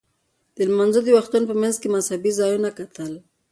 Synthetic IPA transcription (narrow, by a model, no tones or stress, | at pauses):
d̪̥əlmanzod̪əwaxt̪unpəmanzkemashabizɑjunakat̪əl